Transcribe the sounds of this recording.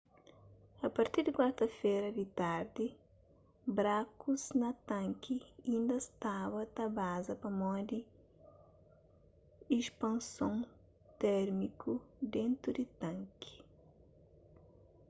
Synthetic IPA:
ɐpɐɾt̪iɾd̪ikwaɾt̪ɐfeɾɐd̪it̪aɾd̪i | bɾakuznɐt̪ãŋkʰiĩnd̪ɐst̪aβɐt̪ɐbazɐpɐmɔd̪i | ispɐ̃nsõŋ | t̪ɛɾmikʰud̪ẽnt̪ɾud̪it̪ãŋki̥

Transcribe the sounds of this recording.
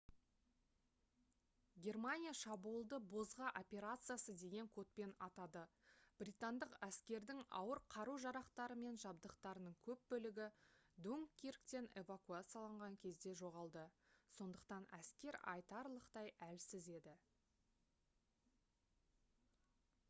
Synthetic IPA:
ɡʲe̞rmanʲijaʃɑbuəlˠd̪əbo̞zʁɑʔo̞pʲe̞ɾat̪sɨjasəd̪e̞ɡʲe̞ŋkʰot̪̚pe̞nɑt̪ɑd̪əb̥rʲit̪and̪əqæskʲe̞ɾd̪ɪŋɑ̰wəɾqʰɑɾuʒɑɾɑqt̪ɑɾəme̞nʒɑbd̪əqt̪ɑɾənəɴkʲʰɵp̚bɵlɪɡʲɪd̪uŋkʲːerkt̪e̞ne̞vakuat̪sɨjalˠɑɴʁɑŋkʲʰe̞zd̪e̞ʒo̞ʁɑlˠd̪əso̞nd̪əqt̪ɑnæskʲe̞ɾɑ̰jt̪ɑɾlˠəqt̪ɑjælsɪze̞d̪ɪ

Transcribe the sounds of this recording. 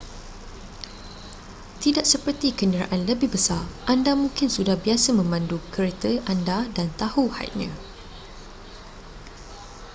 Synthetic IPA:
t̪idaʔsəpərt̪ikənəɾa̰ʔanləbɪhbəsarʔandamũŋkɪnsudahbiasəmə̃mãndukəɾet̪əʔandadant̪ahuha̰j̰t̪̚ɲã̰

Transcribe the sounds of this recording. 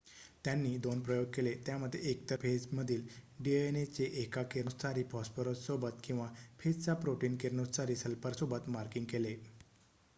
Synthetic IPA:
t̪janːiːd̪onpɾəjoɡ̚kelet̪jaməd̪ʱːjeek̚t̪əɾpʰed͡zməd̪ʱiːlɖienet͡seʔekakeɾst̪ʰaɾiːpɔspəɾət̪sobət̪kĩw̃ʋapʰed͡zt͡sapɾoʈiːnkeɾnust̪aɾiːsəlpəɾsobət̪maɾkiŋɡkele

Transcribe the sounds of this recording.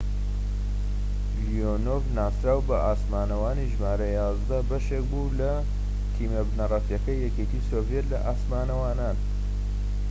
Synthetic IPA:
lijonovnaːsɾaːwbɐʔaːsmaːnɐwaːniʒmaːɾɐjaːzd̪ɐbɐʃek̚buːlɐ | t̪ʰiːmɐbnɐrˤɐfjɐkɐjːɛket̪iːsoːvjet̪lɐ̰ʔaːsmaːnɐwaːnaːn

